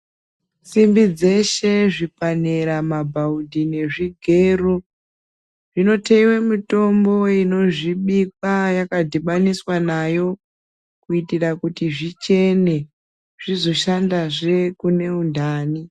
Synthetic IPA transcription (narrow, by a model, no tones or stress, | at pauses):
simbid͡ze̞ʃe̞ʐipaneɾamabʱaudʱine̞ʐiɡʱe̞ːru | ʐino̞teiwemito̞mbo̞ino̞ʐiɓikwajakadʱiɓaniswanajo̞ | kuitirakutiʐit͡ʃe̞ne̞ | ʐ̥izo̞ʃandaʐe̞kune̞undaːni